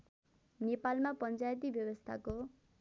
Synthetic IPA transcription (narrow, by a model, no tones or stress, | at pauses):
nepalmapʌnt͡sajt̪̬ibjʌbʌst̪ʰa̰ko